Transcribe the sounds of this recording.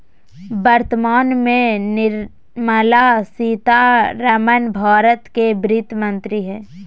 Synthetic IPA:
bəɾt̪əmaːnmẽnɪɾ | məlasiːt̪aɾəmənbʱaːɾət̪kebɾɪt̪mə̃nt̪ɾiɦɛː

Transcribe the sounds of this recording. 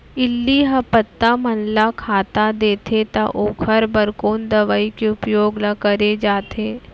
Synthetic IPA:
ɪlːiɦɐpət̪ːamɐnlakʰaːt̪ad̪eːt̪ʰet̪aʔoːkʰəɾbɐɾkoːnd̪ɐʋaikeʊpjoːɡlakəɾed͡ʒaːt̪eː

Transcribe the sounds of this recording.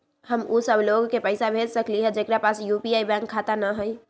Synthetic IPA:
ɦəmusəbʱloɡkepəɪsabʱed͡ʒsəkliɦɛd͡ʒekɾapasjupiajbãŋkʰːat̪anəɦəj

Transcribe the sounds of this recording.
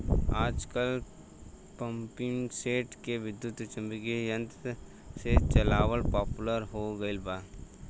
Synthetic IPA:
aːd͡ʒkəl | pɐ̃mpɪŋseːʈkeʋɪd̪jʊt̪t͡ʃɐ̃mbɪkijə̃nt̪ | set͡ʃɐlaːʋəlpaːpuləɾɦoɡɐɪlbaː

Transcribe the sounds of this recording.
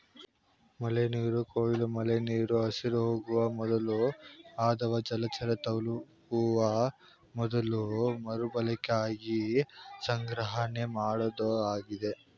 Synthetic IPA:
mɐleniːɾukoːilumɐleniːɾuɐsiɾɦoːɡuʋɐmɔd̪ɐluaːd̪ɐʋɐd͡ʒɐlɐt͡ʃɐɾɐt̪ɐwlukuʋɐ | mɔd̪ɐlumɐɾubɐlɛkaːɡisɐŋɡɾɐɦɐne̞maːɽod̪uaːɡid̪e̞

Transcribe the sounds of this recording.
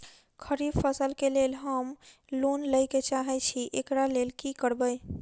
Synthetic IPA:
kʰəɾibpʰəsəlkelelɦəm | lonləjket͡ʃaɦɛt͡ʃʰiʔekɾalelkikəɾbəj

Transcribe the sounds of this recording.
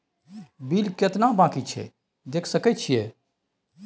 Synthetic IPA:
bilket̪nabãːkit͡ʃʰɛ̰ | d̪eːkʰsəkɛt͡ʃʰije

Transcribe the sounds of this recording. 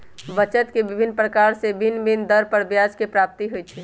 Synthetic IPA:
bət͡ʃət̪kebibʱinːpɾəkaɾsebinbind̪əɾpəɾbjad͡ʒkepɾap̚t̪iɦojt͡ʃʰɛ

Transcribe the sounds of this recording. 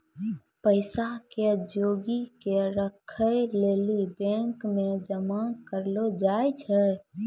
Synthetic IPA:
pəɪsaked͡ʒoɡikeɾəkʰəjlelibɛ̃ŋkmed͡ʒəmakəɾlod͡ʒajt͡ʃʰɛ

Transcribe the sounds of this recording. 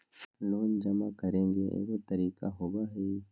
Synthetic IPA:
loːnd͡ʒɐmakəɾẽːŋɡeʔḛɡot̪əɾiːka̰ɦoːbaɦeː

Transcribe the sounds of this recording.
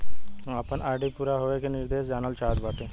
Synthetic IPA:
ɐpənʔaːɾɖipuːɾaɦoʋekenɪɾd̪eːʃd͡ʒaːnəlt͡ʃaːt̪baːʈ̪ẽː

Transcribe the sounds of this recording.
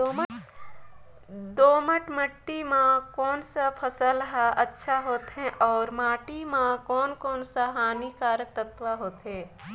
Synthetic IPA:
o | d̪oːməʈməʈːimãkɔːnsapʰəsəlɦaʔətːʃʰaɦoːt̪ɦɛ̃ʔɔːɾmaːʈimãkɔːnkɔːnsaɦaːnikaːɾək̚t̪ət̪ʋaɦoːt̪ɦɛ̃ː

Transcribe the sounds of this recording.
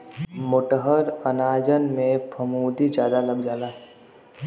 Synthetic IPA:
mʊʈɦəɾənaːd͡ʒənmẽpʰəmuːd̪id͡ʒjaːd̪aləbd͡ʒaːlaː

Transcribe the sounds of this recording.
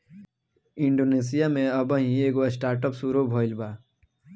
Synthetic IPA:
ɪ̃ɳɖoːneːsijamẽɐbə̃ɦĩeːɡosʈaːɾʈəpsuːɾobʱoːɪlbaː

